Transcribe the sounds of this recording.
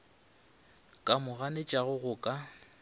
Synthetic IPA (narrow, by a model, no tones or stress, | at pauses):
kʼamʊɣanet͡ʃʼaɣʊɣʊːkʼa